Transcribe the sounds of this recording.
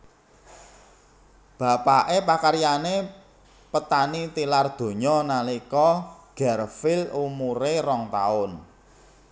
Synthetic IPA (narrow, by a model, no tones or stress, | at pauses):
b̥a̤paʔepakaɾjane | pət̪anit̪ilard̪̥o̤ɲɔnalikɔɡ̥ɛrfɪlumuɾerɔŋt̪a̰ʊn